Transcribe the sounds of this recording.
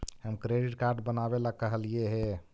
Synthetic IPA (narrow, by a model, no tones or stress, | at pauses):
həmkɾeɖiʈkaɾɖbənabelaɡ̚kːəɦəlijeɦe